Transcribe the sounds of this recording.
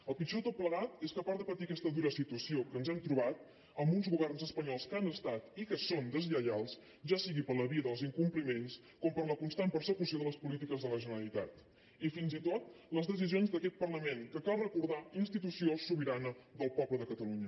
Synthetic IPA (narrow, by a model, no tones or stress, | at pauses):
əlˠpit͡ʃot̪ot̪̚pləɣat̪eskəpaɾðəpət̪ikɛst̪əðuɾəsit̪uəsiokənzɛmt̪ɾuβ̞at̪̚ | əmbunzɣuβɛrnzəspəɲɔlˠskanəst̪at̪ikəsond̪əzʎəʎalˠs | ʒasiɣipəɾləβiəðəlˠziŋkumplimens | kɔmpəɾləkunst̪anpəɾsəkusioðələspulit̪̬ikəzðələʒənəɾəlit̪at̪ | ifinzit̪ot̪ləzðəs̬izionzðəkɛt̪̚pərləmeŋkəkalˠrəkuɾð̞ainst̪it̪usiosuβiɾanəðəlˠpɔβləðəkət̪əluɲə